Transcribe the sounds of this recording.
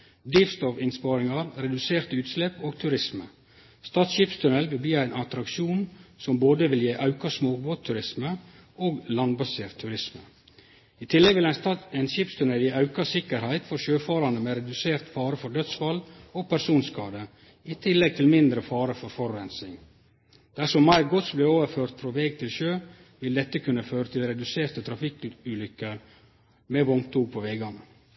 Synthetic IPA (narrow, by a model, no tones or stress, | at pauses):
d̪ɪfst̪ɔfɪnspɑːɾɪŋɑɾɾɛd̪ʉseːɾt̪ʉːt̪slɛpoːɡ̚t̪ʰʉɾɪsmə̰ | st̪ɑːt̪sʃɪpst̪ʰʉnɛlʋɪlb̪iːæɪnʔɑt̪ɾɑkʃuːnsɔmboːd̪əʋɪljeːʔɑʉkɑsmoːɡ̚boːt̪ʰːʉɾɪsmə | oːɡlɑnbɑseːɾt̪ʰːʉɾɪsmə̰ | iːt̪ʰɪlːɛɡʋɪlæɛɪnʃɪpst̪ʰʉnɛljeːɑʉkɑsɪkəɾhæɪt̪fɔɾʃøːfɑːɾɑnəmeːɾɛd̪ʉseːɾt̪fɑːɾəfɔɖœt̪sfɑloːpʰæɾʂuːnskɑːd̪ə | it̪ʰɪlːɛɡ̚t̪ʰɪlmɪnd̪ɾəfɑːɾəfɔɾfɔɾɾɛnsɪŋ | d̪̥æʂɔmːæɪɾɡɔt̪sblɛoːʋəɾføːɾt̪fɾɔʋɛːɡ̚t̪ʰɪlʃøː | ʋɪld̪ɛt̪ːəkʰʉnːəføːɾət̪ʰɪlɾɛd̪ʉseːɾt̪ət̪ʰɾɑfɪkʉːlʏkəɾ | mɛʋɔŋt̪uːɡ̚pʰoʋɛːɡɑnə